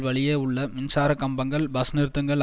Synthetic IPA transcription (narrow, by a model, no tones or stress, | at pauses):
ʋɐɭɪjeːʊɭːɐmɪnsaːɾɐkɐmbɐŋɡɐɭbɐsnɪɾt̪ːɯŋɡɐɭ